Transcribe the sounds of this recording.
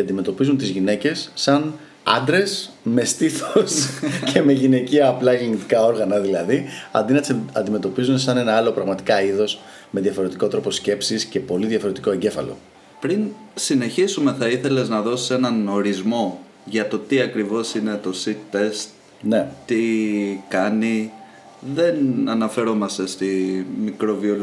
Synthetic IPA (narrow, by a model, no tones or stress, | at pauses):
ceɐnd̪imet̪o̞pizunt̪izʝine̞ce̞sːɐn | ɐ̰nd̪ɾe̞sme̞st̪iθoscʰe̞me̞ʝine̞ciɐːplɐʝilinit̪i̥kɐo̞ɾɣɐnɐðilɐðiɐ̰nd̪inɐt̪sɐnd̪ime̞t̪o̞pizunesɐne̞nɐɐlo̞pɾɐɣmɐt̪i̥kɐiðo̞s | me̞ðjɐfo̞ɾet̪iko̞t̪ɾo̞po̞sce̞psisce̞po̞liðʝɐfoɾet̪i̥ko̞eɲɟe̞fɐ̰lo̞̰ | pɾinsine̞çisume̞θɐiθe̞le̞znɐðo̞si̥se̞nɐno̞ɾizmo̞ | ʝɐt̪o̞t̪iɐkɾivo̞sine̞t̪o̞sit̪ːe̞st̪ | net̪ːikɐni | ðe̞nɐnɐfe̞ɾo̞mɐst̪e̞st̪imikɾo̞vio